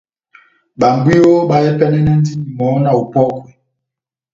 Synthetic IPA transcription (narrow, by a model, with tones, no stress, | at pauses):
ɓa˨mbwi˦jo˦ɓa˨jɛ˦pɛ˦nɛ˦nɛ˦n˦di˦ni˨mɔ˨˦na˨u˨pɔ˦kɔ̥˨